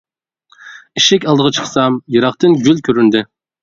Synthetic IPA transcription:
iʃɛkʲɑlˠd̪əʁɑt͡ʃʰə̥χsɑmjɨɾɑχt̪ɨnɡʲylkʲʰøɾynd̪ɪ

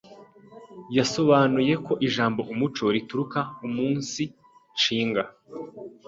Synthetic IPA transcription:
jaso̞βanuje̞ko̞ʔiʒaːmbo̞ʔumut͡ʃo̞ɾituɾukaumuːnsi | t͡ʃiːŋɡa

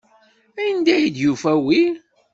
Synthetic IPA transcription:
æjənd̪æjid̪jufæwil

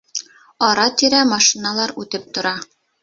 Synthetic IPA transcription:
ɒɾɑt̪iɾæmɑʃinalˠɑɾʉt̪ɘp̚t̪ŏɾɑ

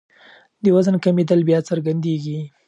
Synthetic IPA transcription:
d̪əwazənkamed̪əlbjɑt͡səɾɡand̪eɡi

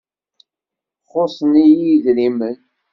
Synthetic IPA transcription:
χosˤənijiðɾimən

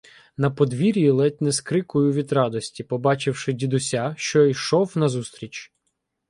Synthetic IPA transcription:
nɐpɔd̪ʋʲiɾʲjilˠɛt̚ʲnɛskɾɪkʊjʊʋʲid̪ɾɑd̪ɔsʲtʲipɔbɑt͡ʃɪwʃɪdʲid̪ʊsʲaʃt͡ʃɔijʃɔwnɐzust̪ɾʲit͡ʃ

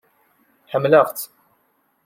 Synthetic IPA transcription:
ħəmːləʁt̪

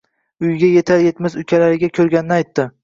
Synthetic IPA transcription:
ʊjɡʲaje̞t̪ʰaɾje̞t̪mɪzʊkʲʰalaɾɪɡʲakʲʰɵɾɡʲanɪnɪajt̪ːɪ

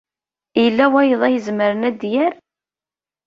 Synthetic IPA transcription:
ijəlːæwæjəðˤæjəzməɾənæd̪jæɾ

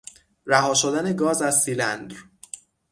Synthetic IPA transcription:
ɾæɦɒːʃod̪æne̞ɡɒːzæzsilænd̪ɾ

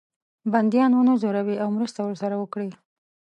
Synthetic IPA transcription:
band̪jɑnunozoɾawiawmɾəst̪awəɾsaɾawəkɽi

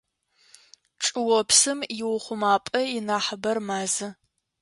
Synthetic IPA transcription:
ʈ͡ʂʼɨwɔpʰsɨmjɪwʊχʷʊmaːpʼɐɪnaːħəbɐrmaːzɨ

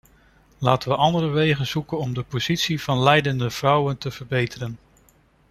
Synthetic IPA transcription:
laːtəʋəʔɑndəɾəʋejχənz̥ukənɔmdəpoz̥itsiv̥ɑnlɛjdəndəv̥rʌwəntəv̥əɹbejtərən

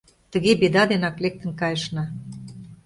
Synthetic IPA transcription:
t̪ə̆ɣebed̪ɑd̪enɑklek̚t̪ə̆nkɑjəʃnɑ

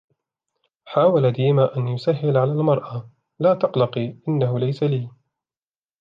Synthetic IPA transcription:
ħaːwalad̪iːmaʔanjʊsaɦːɪlʕalaːlmɑɾˤʔa | laːt̪ɑqlɑqiʔɪnːaɦʊlajsaliː

